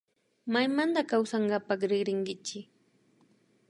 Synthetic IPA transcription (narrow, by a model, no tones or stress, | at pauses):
majmand̪akawsaɴɢapɑχɾɪχɾɪŋɡɪt͡ʃɪ